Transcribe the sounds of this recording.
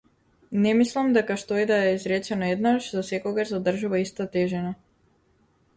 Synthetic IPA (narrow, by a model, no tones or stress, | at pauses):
nɛmislˠamd̪ɛkaʃt̪oid̪aɛizɾɛt͡ʃɛnɔɛd̪naʃzasɛkɔɡaʒzad̪r̩ʒuvaist̪at̪ɛʒɛna